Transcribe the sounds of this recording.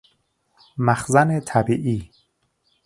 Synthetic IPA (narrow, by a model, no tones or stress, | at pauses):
mæxzænet̪ʰæbiːʔiː